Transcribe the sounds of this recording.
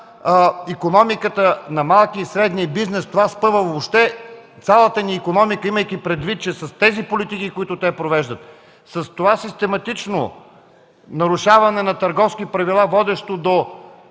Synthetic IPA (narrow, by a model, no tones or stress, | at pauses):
ikonɔmikət̪ənɐmalˠkiːsɾɛd̪niəbiznɛst̪ovaspɤvəvopʃt̪ɛt̪sʲalˠət̪əniːkonɔmikəiməjkipɾɛd̪vit̪̚t͡ʃɛsɐst̪ɛzipolit̪ikikoit̪ʊt̪ɛpɾovɛʒd̪ət̪ | sɐst̪ovasist̪ɛmɐt̪it͡ʃno̰ | nɐɾʊʃavɐnɛnɐt̪ɐɾɡɔfsk̟ipɾɐvilˠavɔd̪ɛʃt̪od̪o